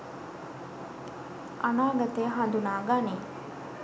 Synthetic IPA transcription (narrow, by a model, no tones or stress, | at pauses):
ʔɐnaːɡɐt̪eɦɐnd̪unaːɡaːneː